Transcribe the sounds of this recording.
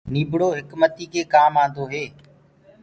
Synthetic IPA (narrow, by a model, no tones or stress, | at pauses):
niːbʱɽoːɦɪkmət̪iːkʰeːkaːmãːnd̪oːɦeː